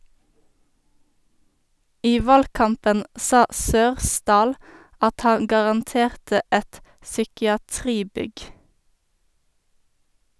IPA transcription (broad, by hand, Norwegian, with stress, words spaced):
ˈiː ˈʋɑlˌkɑmpən ˈsɑː ˈsøːʁˌsdɑːl ˈɑt ˈhɑŋ ɡɑʁɑnˈteːʁtə ˈɛt sʏkɪɑˈtʁiːˌbʏɡ